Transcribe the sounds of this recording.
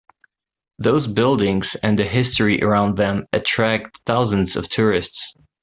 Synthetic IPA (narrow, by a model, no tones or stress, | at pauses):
ðoʊzbɪlˠdɪ̃ŋz̥ɨ̃nðɨɦɪstɹ̥iʔə̰˞ãʊ̃nðɨ̃mɨtʰɹ̥æk̚tθaʊzɨ̃n̩zʌ̰v̥tʰʊɹɪsts